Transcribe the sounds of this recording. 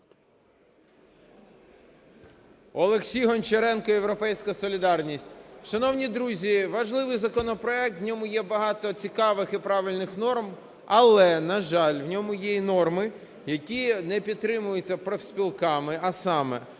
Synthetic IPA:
ɔlˠeksʲijɦɔnt͡ʃeɾɛnkɔewɾɔpɛjsʲkɐsɔlʲɪd̪ɑrnʲisʲtʲʃɐnɔwnʲid̪ɾuzʲiʋɐʒlˠɪʋɪjzɐkɔnɔpɾɔɛk̚t̪wnʲɔmʊjɛbɐɦɑt̪ɔt͡sʲikɑʋɪxipɾɑʋɪlʲnɪxnɔrm | ɐlˠɛnɐʒɑlʲwnʲɔmʊjɛinɔrmɪ | jɐkʲinɛpʲid̪̚t̪ɾɪmʊjʊt͡sʲːɐpɾewsʲpʲilˠkɑmɪɐsɑmɛ

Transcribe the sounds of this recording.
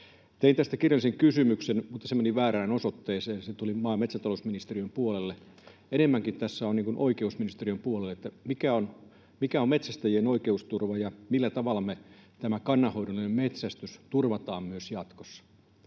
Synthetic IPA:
t̪eint̪æst̪ækirjɑlːˑiseŋkysymyksenmut̪ːɑsemeniʋæːræːnosot̪ːeːseːnset̪ulimɑːmet̪sænt̪ɑlousminist̪eriømpuolelːe | enemːæŋkint̪æsːæonniːŋkunʔoikeusminist̪eriømpuolelːet̪ːæmikæon | mikæommet̪sæst̪æjienoikeust̪urʋɑjɑmilːæt̪ɑʋɑlːɑmet̪æmækɑnːɑho̞idolinemmet̪sæst̪yst̪urʋɑt̪ɑːmmyøsjɑt̪kosːɑ̥

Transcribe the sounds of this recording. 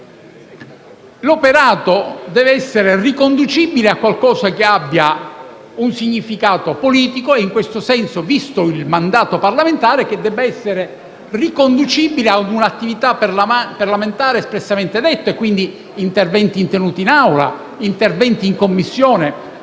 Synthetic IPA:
lopeɾaːt̪od̪ɛːveɛsːeɾerikond̪ut͡ʃibileakːwalkɔːsakeabːja | unsiɲːifikaːt̪opoliːt̪ikoeiŋkwest̪osɛnsovist̪oilmand̪aːt̪oparlament̪aːɾek̟ed̪ːɛːbeɛsːeɾe | rikond̪ut͡ʃiːbilead̪unat̪ːivit̪aparlament̪aːɾespɾesːament̪ed̪et̪ːoekːwind̪iː | nt̪ervɛnt̪iːnt̪enuːt̪inawla̰ | int̪ervɛnt̪iːŋkomːisːjɔːne

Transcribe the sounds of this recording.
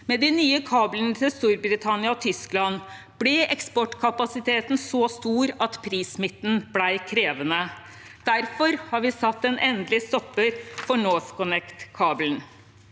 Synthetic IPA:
mɛd̪ɪnyːəkʰɑːblənət̪ʰɪlst̪uːɾbɾɪt̪ʰɑnɪɑɔt̪ʰʏsklɑn | b̥lɛʔɛkspɔʈkʰɑpɑsɪt̪ʰeːt̪n̩sɔst̪uːɾɑt̪pʰɾiːsmɪt̪ːn̩blæɪkʰɾeːʋənə | d̪̥æɾfɔɾhɑɾʋɪsɑt̪ːɛnʔɛnd̪lɪst̪ɔpːəɾfɔɳoːfkʰʊnɛkt̪kʰɑːbln

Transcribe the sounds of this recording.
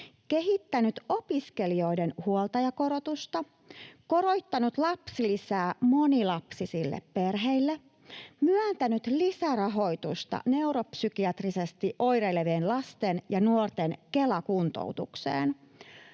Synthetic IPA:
ke̞ɦit̪ːænyt̪opiskelio̞jdenhuolt̪ɑjɑko̞ɾot̪ust̪ɑ | ko̞ɾo̞jt̪ːɑnut̪lɑpsilisæːmo̞nilɑpsisilːḛppe̞rɦeilːe | myænt̪ænyt̪lisærɑɦo̞jt̪ust̪ɑ̰ne̞uɾopsykiɑt̪risest̪iʔo̞jɾeleʋeːnlɑst̪enjɑnuort̪enke̞lɑkunt̪o̰wt̪uksḛːn

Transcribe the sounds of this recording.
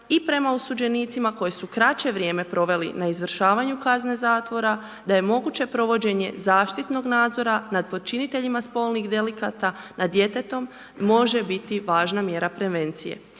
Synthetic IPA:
ipɾe̞mausud͡ʑe̞niːt̪simako̞jesukɾat͡ɕe̞ʋɾje̞ːme̞pɾo̞ʋe̞lḭnaizʋr̩ʃaːʋaɲukazne̞zaːt̪ʋo̞ɾa | d̪aje̞mo̞ɡut͡ɕe̞pɾo̞ʋo̞d͡ʑe̞ɲe̞̰zaːʃt̪it̪no̞ɡnaːd̪zo̞ɾanad̪̚po̞d̪̚t͡ʃinit̪e̞ʎimaspo̞ːlˠniɣd̪e̞likaːt̪anʔad̪je̞t̪e̞t̪o̞mː | o̞ʒe̞bit̪iʋaːʒnamje̞ːɾapɾe̞ʋe̞nt̪sijḛ

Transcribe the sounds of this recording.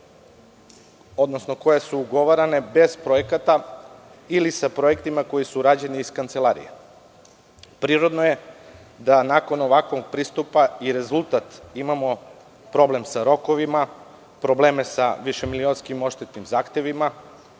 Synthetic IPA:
o̞d̪no̞snoko̞jesuːɡo̞ʋaɾane̞be̞zpɾo̞jekat̪a | ilisapɾo̞jekt̪imako̞jisuɾaːd͡ʑe̞niːskant̪se̞lˠaɾḭjḛ | pɾiːɾo̞d̪noje̞ | d̪anako̞noʋakʋoɡ̚pɾiːst̪upaiɾe̞zulˠt̪at̪imamo̞ | pɾo̞ble̞msaɾo̞ko̞ʋima | pɾo̞ble̞ːme̞saʋiʃe̞milionskimo̞ʃt̪et̪nimzaːxt̪e̞ʋima

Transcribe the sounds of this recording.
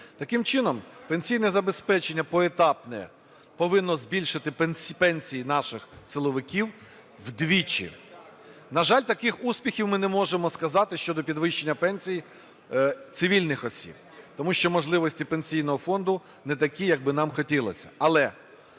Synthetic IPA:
t̪ɐkɪmt͡ʃɪnɔmpenʲsʲijnɛzɐbespɛt͡ʃenʲːɐpɔet̪ɑpnɛ̰ | pɔʋɪnːɔzbʲilʲʃɪt̪ɪpɛnʲpɛnʲsʲijinɑʃɪxsɪlˠɔʋɪkʲiw | wd̪ʋʲit͡ʃḭ | nɐʒɑlʲt̪ɐkɪxusʲpʲixʲiwmɪnɛmɔʒemɔskɐzɑt̪ɪʃt͡ʃɔd̪ɔpʲid̪ʋɪʃt͡ʃːe̞nʲːɐpɛnʲsʲij | t̪sɪʋʲilʲnɪxɔsʲḭb̚t̪ɔmuʃt͡ʃɔmɔʒlˠɪʋɔsʲtʲipenʲsʲijnɔɦɔfɔnd̪ʊ | nɛt̪ɐkʲijɐɡ̚bɪnɑmxɔtʲilˠɐsʲɐ̥̰ɐlˠɛ

